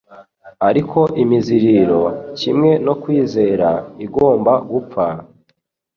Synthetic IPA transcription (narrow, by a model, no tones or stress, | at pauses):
aɾikʰo̞ʔimiziɾiːɾo̞cimŋe̞no̞kwiːze̞ːɾaiɡo̞ːmbaɡup͡fa